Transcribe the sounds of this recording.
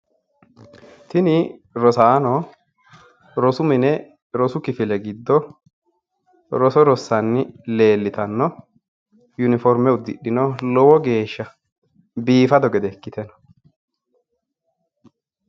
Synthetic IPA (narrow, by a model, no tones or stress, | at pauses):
t̪ɪnɪɾɔsaːnɔ | ɾɔsʊmɪnɛ | ɾɔsʊkɪfɪlɛɡɪd̪ːɔ | ɾɔsɔɾɔsːɐnːɪle̞ːlːɪt̪ɐnːɔ | jʊnɪfɔɾmɛʊd̪ːɪɗːɪnɔlɔwɔɡe̞ːʃːɐ | biːfɐd̪ɔɡɛd̪ɛkːɪt̪ɛnɐ̥